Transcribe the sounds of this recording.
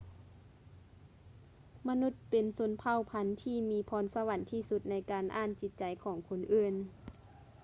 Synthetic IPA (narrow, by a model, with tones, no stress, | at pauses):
ma˧nu˧˥t̪̚pe˨nso˧˦npʰa˧˩˨wpʰa˧˥nt̪ʰiː˧˨miː˧˥pʰɔː˧˥nsa˧wa˧˥nt̪ʰiː˧˩su˧˦t̪̚na˧˥jkaː˨nʔaː˧˥˨nt͡ɕi˧˥t̪̚t͡ɕa˨jkʰɔː˩˦ŋkʰo˧nʔɯː˧˥˩n